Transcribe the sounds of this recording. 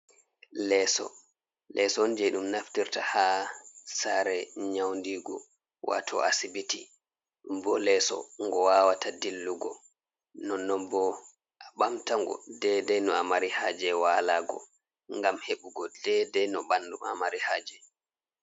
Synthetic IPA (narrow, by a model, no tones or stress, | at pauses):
lɛːsɔ̰ | lʔɛsɔnd͡ʒɛjɗumnaftiɾtaha | saɾɛɲawndiɡɔ̰ | wa̰tʰɔʔasibiti | mbɔlɛsɔ̰ŋɡɔwawatadilːuɡɔ̰ | nɔnːɔmbɔ | aɓamtaŋɡɔ̰dɛdɛnɔamaɾihaːd͡ʒɛwaːlaɡɔ̰ | ŋɡamheɓuɡɔdɛdɛjnɔɓandua̰maɾihaːd͡ʒɛ